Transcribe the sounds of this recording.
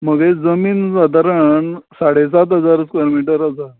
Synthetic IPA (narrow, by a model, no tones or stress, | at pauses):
məɡed͡zəmiːnsad̪ʱaɾəɳsaɽesat̪ɦəd͡zaɾəskaɾomiʈəɾasa